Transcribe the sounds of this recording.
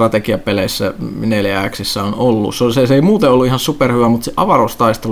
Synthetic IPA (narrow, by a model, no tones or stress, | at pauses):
rɑt̪ekiɑpeleisːæneljææksisːæonolːṵssoseseimuːt̪eolːuihɑnsuperhyʋæmut̪seʔɑʋɑrost̪ɑist̪el